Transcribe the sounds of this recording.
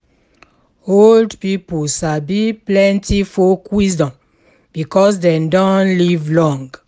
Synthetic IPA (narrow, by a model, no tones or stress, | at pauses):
oldpipusabiplɛ̃ntifokwisdɔ̃m | b̥ikɔs̬dɛ̃mdɔ̃nlivlɔ̃ŋɡ